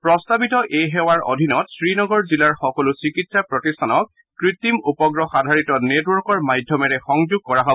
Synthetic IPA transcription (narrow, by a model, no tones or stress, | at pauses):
pɹɔstabitɔʔejɦɛwaɹʔo̰dʱinɔtsɹinɔɡɔɹzilaɹxɔkɔlʊsikitsapɹɔtistʰanɔk̚ | kɹit̪ːimupɔɡɹɔxadʱaɹitɔnetwɔɹkɔɹmajdʱjɔmɛɹɛxɔŋzuɡ̚kɔɹaɦɔ